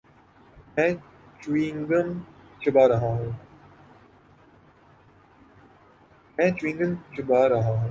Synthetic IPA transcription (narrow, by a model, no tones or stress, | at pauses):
mɛ̃ː | t͡ʃuwĩːŋɡəmt͡ʃʰəbaːɾɐɦãːɦũː | mɛ̃ːt͡ʃwĩːŋɡəmt͡ʃʰɐbaːɾɐɦãːɦũː